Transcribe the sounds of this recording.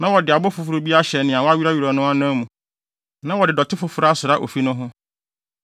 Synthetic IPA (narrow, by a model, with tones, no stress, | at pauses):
nã˦wɔ˨dɪ˨a˨bɔ˦fʊ˨fʊ˨ɾo˦bi˦a˦ɕɛ˨nɪ̃˨a˨wɔ˦a˦ɥi˦ɾa˦ɥi˨ɾa˨nʊ̃˦a˦nã˦mũ˨ | nã˦wɔ˨dɪ˨dɔ˨tʰɪ˦fʊ˦fʊ˦ɾa˦sʊ˨ɾa˦ʔo̰˨fi˦nʊ̃˦ɦʊ̃˦